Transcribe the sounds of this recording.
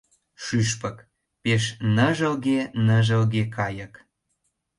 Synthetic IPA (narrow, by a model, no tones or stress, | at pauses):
ʃyʃpək | peʃnəʒəlɣenə̆ʒəlɣekʰɑjə̆k